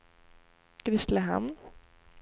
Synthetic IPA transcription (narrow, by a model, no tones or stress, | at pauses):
kɾɪst̪ləɦɛ̰m